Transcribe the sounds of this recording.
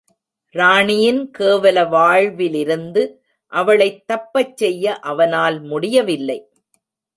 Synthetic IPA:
ɾaːɳɪjɪnkeːʋɐlɐʋaːɻʋɪlɪɾɯnd̪ɯ | ʔɐʋɐɭɐɪt̪ːɐpːɐt͡ʃːɛjːɐʔɐʋɐnaːlmʊɽɪjɐʋɪlːɐɪ

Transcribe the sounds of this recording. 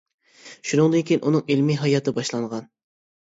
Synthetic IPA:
ʃunɨŋd̪ɨnkʲʰijinʔunɨŋilmiɦɑjɑt̪ʰɨbɑʃlˠɑŋʁɑn

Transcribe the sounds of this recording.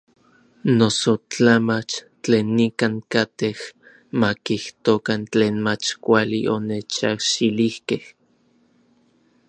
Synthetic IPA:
nosot͡ɬamat͡ʃ | t͡ɬeːnːikaŋkat̪eh | makiht̪okant͡ɬeːnmat͡ʃkʷalḭʔonet͡ʃahʃilihkeh

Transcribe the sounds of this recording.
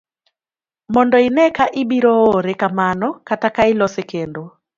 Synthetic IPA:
mɔndɔinɛkaʔɪɓiɾɔoɾɛkamanɔkatakailɔsɛkendo

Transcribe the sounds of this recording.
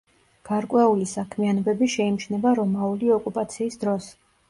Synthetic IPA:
ɡ̥aɾkʼwɛulisakʰmianɔbɛbiʃɛimʃnɛbaɾɔmauliɔkʼupʼat̪sʰiːsd̪ɾɔs

